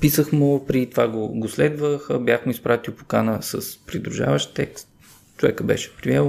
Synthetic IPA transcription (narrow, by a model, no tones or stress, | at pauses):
pisəxmopɾiit̪ovaɡoɡoslɛd̪vəxəbjaxmʊispɾat̪iʊpo̥kanəsəspɾid̪ɾuʒa̰vəʃt̪t̪ɛkst̪ | t͡ʃovɛ̰kəbɛ̰ʃɛ̥pɾiɛlˠ